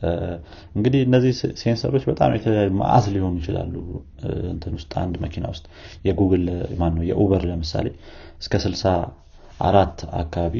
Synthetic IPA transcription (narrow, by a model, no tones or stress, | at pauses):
ɨŋɡɨd̪ihɨnːəzːihse̞nsə̰ɾo̞t͡ʃːbət̪ʼa̰mjɛt̪ʰələjajːuma̰ʔa̰sliho̞nujɪt͡ʃɪla̰lːu | ɨ̰nt̪ʰɨnwʊst̪ʼa̰nd̪məkʰina̰wʊst̪ʼjɛɡuɡɨlmanːəwjɛʔuβəɾləmɨsa̰le̞ | ɨskʰəsɨlsa | ʔa̰ɾat̪ːa̰kːaβaβi